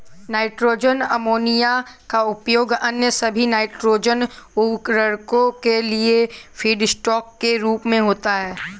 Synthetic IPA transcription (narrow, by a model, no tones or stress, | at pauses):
naːɪʈɾoːd͡ʒənɐmoːnijakaʊpjoːɡɐnjəsɐbʱinaːɪʈɾoːd͡ʒənʊkɾəɾkõkeliefʰiːɖsʈɔːkːeɾuːpmẽɦoːt̪aɦɛː